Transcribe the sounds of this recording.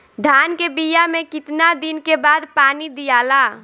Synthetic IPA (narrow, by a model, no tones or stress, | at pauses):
d̪ʱaːnkebijamẽkɪt̪nad̪ɪnkebaːd̪paːnid̪ijaːla